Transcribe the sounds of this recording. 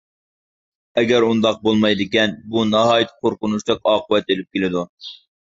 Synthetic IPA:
ɛɡʲɛɾund̪ɑq̚bolˠmɑjd̪ɨkʲɛnbunɑɦɑːjit̪ʰːqʰoɾqʊnuʃlˠəqɑːqʰəwɛt̪elɪp̚kʲʰelɪd̪u

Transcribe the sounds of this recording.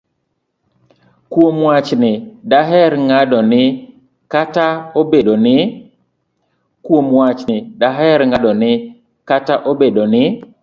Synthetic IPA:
kwomwat͡ʃnɪdaɦɛɾŋadɔnɪ | kataobedonɪ | kwomwat͡ʃnɪdaɦɛɾŋadɔnɪ | kataʔobedonɪ

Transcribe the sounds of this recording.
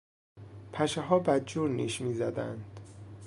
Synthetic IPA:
pʰæʃeɦɒːbæd̪̚d͡ʒuːɾnḭːʃmiːzæd̪æ̰nd̪̥

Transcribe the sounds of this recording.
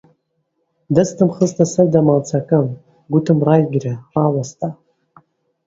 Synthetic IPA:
dɨstʰɨmχəztʰʼasɨrdamalt͡sʰakʼɨm | ɡʷʊtʰɨmrajɡʲraralastʼa

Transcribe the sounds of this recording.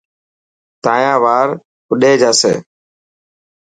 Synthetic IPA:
t̪aːjãːʋaːɾ | kʊɗeːd͡ʒaːsḛː

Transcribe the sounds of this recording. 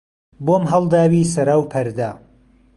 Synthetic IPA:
boːmɦɐlˠd̪aːwiːsɐɾawpʰɐɾd̪a

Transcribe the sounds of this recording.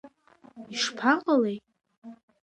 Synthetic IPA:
iʂpʰaqʼalej

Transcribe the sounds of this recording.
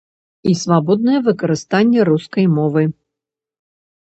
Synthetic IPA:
isvabɔd̪nɐjɛvɨkɐɾɨst̪anʲːɛɾuskɐjmɔvɨ

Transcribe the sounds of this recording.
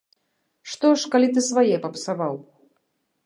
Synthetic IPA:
ʂt̪ɔʂkalʲit̪ɨsvajɛpɐpsavaw

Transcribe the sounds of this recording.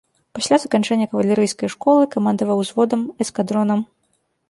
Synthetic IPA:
pasʲlʲazɐkant͡ʂɛnʲːɐkɐvɐlʲɛɾɨjskɐjʂkɔlˠɨkamand̪ɐvɐwzvɔd̪ɐmɛskad̪ɾɔnɐm

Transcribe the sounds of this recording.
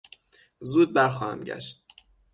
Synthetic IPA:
zuːd̪̚bæɾxɒːhæ̰mɟæ̰ʃt̪̚

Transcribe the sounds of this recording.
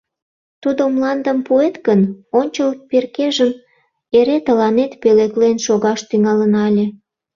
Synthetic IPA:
t̪ud̪omlɑnd̪əmpuet̪ɡənonʲt͡ɕəlperkeʒəm | eɾet̪əlɑnet̪peleklenʃoɣɑʃt̪yŋɑlənɑlʲe

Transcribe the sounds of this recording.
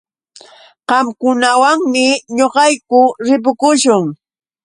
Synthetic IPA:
qɑmkʊnawaŋmɪɲoqɑjkʊɾɪp̬ʊkʊʃʊŋ

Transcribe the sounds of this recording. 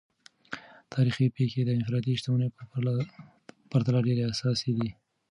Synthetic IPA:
t̪ʰɑɾixipexed̪əɪnfɾɑt̪iʃt̪awəne | paɾt̪alɑɖeɾeasɑsed̪i

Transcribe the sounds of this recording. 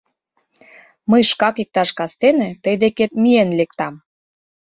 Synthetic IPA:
məjʃkɑkik̚t̪ɑʃkɑst̪enĕt̪əjd̪eket̪̚mienlek̚t̪ɑm

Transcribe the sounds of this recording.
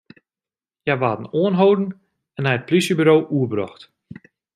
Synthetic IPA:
jajʋaːdən̩oənɦowdən̩ | ɛnɦɛjət̚plisjəbyɾowʔuəbrɔ̰xt

